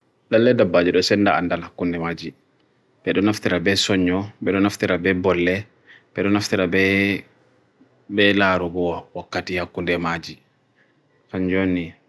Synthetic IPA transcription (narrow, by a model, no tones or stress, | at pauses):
ɗalːɛdabːad͡ʒɛɗɔsɛnːdaandalhakːundɛmad͡ʒi | ɓɛɗɔnaftiɾabɛsɔɲːɔɓɛɗɔnaftiɾabɛbɔlːɛ | ɓɛɗɔnaftiɾabɛ | bɛlaɾubɔwwakːatihakːundɛmad͡ʒi | kaɲd͡ʒonːi